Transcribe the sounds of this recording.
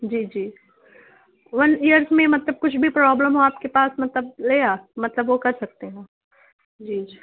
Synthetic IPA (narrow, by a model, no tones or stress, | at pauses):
d͡ʒiːd͡ʒiː | ʋɐnijəɾzmẽmɐt̪ləb̚kʊt͡ʃʰbʱipɾɔːbləmɦoaːp̚kepaːsmɐt̪ləb̚leːaːmɐt̪ləbʋokɐɾsɐk̚t̪eɦɛ̃ː | d͡ʒid͡ʒi